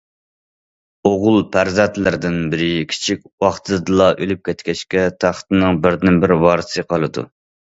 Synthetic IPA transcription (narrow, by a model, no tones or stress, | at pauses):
oʁʊlˠpʰæɾzɛnt̪lɪɾd̪ɪnbɪɾɪkʲʰi̥t͡ʃʰikʲwɑχt̪ʰɨd̪ɨlˠɑʔølyp̚kʲɛt̪kʲɛʃkʲɛt̪ʰæχt̪ɨnɨŋbɪɾd̪ɪnbɪɾwɑɾɨsɨqʰɑlˠɨd̪ṵ